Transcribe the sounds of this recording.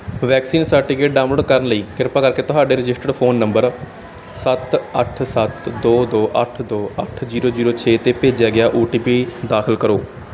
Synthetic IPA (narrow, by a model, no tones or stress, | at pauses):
ʋɛːksiːnsəɾʈiːkeːʈɖaːʊ̃mloːɖkəɾənləiːkɪɾpaːkəɾkeːt̪ʊɦaːɖeːɾɪd͡ʒɪsʈəɖpʰoːnːəmbəɾ | sət̪əʈʰsət̪d̪oːd̪oːʔəʈʰd̪oːə̰ʈʰziːɾoːziːɾoːt͡ʃʰeːt̪eːpeːd͡ʒjaːɡɪjaːʔuːʈiːpiːd̪aːkʰəlkəɾoː